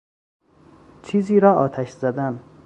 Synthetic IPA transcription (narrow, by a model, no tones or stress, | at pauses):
t͡ʃʰiːziːɾɒːʔɒːt̪ʰæʃz̥æd̪æn